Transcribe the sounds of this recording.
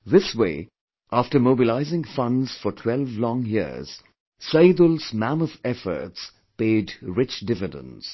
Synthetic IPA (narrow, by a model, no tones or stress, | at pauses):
ðɪswḛː | ʔaftə˞moːbɪlaɪzɪ̃ŋfʌ̃nz̥fɔtʰw̥ɛlvlɔ̃ŋjḭz̥ | saɪd̪əlz̥mæ̃məfɛfə̰ɾts | peɪdɹɪt͡ʃdɪvɪdə̰̃ns